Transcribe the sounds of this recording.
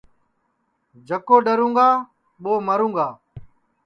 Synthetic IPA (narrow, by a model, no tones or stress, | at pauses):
d͡ʒəkoːɗəɾũːŋɡaː | ɓoːməɾũːŋɡaː